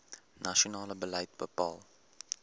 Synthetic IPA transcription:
naʃonɑːləbəlɛjt̚bəpɑːlˠ

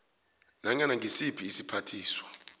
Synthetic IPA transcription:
naɲanaŋʱisipʰiːsi̥pʰatʰiːswḁ

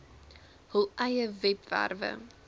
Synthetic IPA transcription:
həlˠɛjəvɛpvæ̰rvə̰

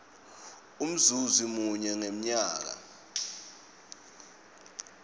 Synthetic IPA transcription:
um̩zuzimuɲɛŋem̩ɲaːk̬a̰

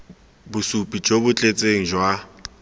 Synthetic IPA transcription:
bʊsupʼid͡ʒobʊt͡ɬʼet͡sʼeŋ̩d͡ʒwa

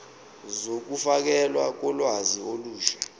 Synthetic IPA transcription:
zok̬ufak̬ɛlwa̰k̬ɔlwazioluːʃɛ̥

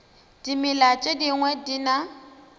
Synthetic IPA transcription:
d̥imɪlat͡ʃʼediŋwɛdina

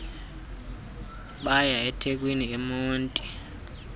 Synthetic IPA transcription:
ɓajaɛtʰek̬ʼwiniemuːntʼi

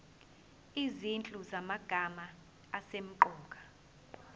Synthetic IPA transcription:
izint͡ɬʼuzamaɡ̥ʱamaː | sem̩ǃɔːk̬ʼḁ

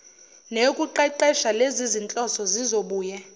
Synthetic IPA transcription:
nekʼuǃɛǃɛʃalezizint͡ɬʼɔsɔzizoɓuːjɛ

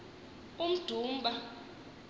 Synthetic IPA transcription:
um̩d̥ʱuːm̩ɓa

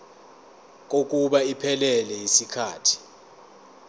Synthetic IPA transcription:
k̬ok̬ʼuɓaipʰɛlɛlɛjisikʰaːtʰi̥

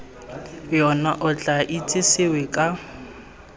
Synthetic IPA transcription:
jɔnaʔʊt͡ɬʼaʔit͡sʼɪsɪwɛkʼa

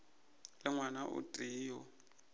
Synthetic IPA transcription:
lɪŋwanaʔʊ̰tʼiːjɔ

